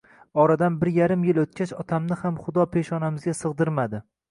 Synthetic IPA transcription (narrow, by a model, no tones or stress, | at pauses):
ɒɾad̪anbɪɾjaɾɪmjɪlot̪̚kʲat͡ʃɒt̪ʰamnɪhamχʊd̪ɒpʰe̞ʃɒnamɪzɡʲasɨʁd̪ɪɾmad̪ɪ